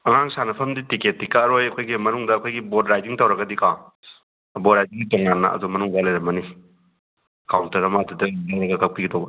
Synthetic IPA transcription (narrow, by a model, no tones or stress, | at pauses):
ɐŋaŋsanɐpʰɐmditiket̚ːikaɾojɐkʰojɡimɐnuŋdɐːkʰojɡibodɾajdiŋtɐwɾɐɡɐdika̰ | bɔdɾajdiŋɡitɔŋanːɐ̰ɐ̰dumɐnuŋdalajɾɐmɐni | kʰawntɐɾɐmatudɐlajɾɐɡɐkɐk̚piɡitʰowbɐ